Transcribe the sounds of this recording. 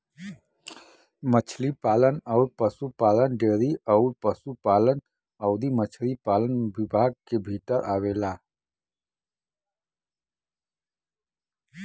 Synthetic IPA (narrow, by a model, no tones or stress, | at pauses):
mət͡ʃʰlipaːlənɔʊɾpəsupaːlənɖeːɾiɔʊɾpəsupaːlən | ɔʊd̪imət͡ʃʰlipaːlənbɪbʱaːɡ̚kebʱit̪əɾʔaːwela